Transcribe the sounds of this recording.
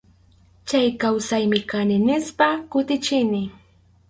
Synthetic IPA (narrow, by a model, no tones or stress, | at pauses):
t͡ʃajkawsajmɪkanɪnɪspakʊt̪ɪt͡ʃɪnɪ